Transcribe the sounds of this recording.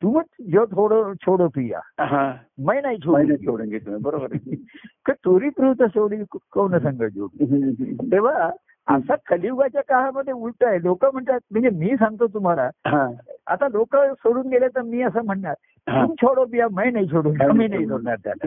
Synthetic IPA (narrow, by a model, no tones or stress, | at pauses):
t̪umit͡sd͡ʑot̪ʰoɽət͡ɕʰoɽopija̰ɦã | məjnait͡ɕʰomnʰoɽunɡet̪ubəɾobəɾkət̪oɾiːpɾuʋt̪əsoɽikkownəsə̃ŋɡəd͡ʑo̰ɦt̪eʋ̤a | əsakʰəliwɡat͡ɕjakaɦaməd̪ʱːjeulʈ̪aelokəm̤əɳt̪at̪̚m̤əɳd͡zemiːsãŋɡ̚t̪̬ot̪̬um̤alaɦãa̰t̪alokəsoɽuːnɡeljat̪əɾmiːəs̬am̤əɳɳaɾ | ɦumt͡ɕʰoɽəp̬ijaməjnait͡ɕʰoɽuːnaminait̪oɽɳaɾt̪ja̰la̰